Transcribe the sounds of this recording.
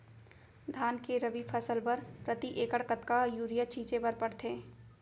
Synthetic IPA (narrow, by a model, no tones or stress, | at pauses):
d̪ʱaːnkeɾɐbipʰəsəlpɐɾpɾət̪iʔeːkəɽkət̪kajuːɾijat͡ʃiːt͡ʃepɐɾpɐɽt̪ʰeː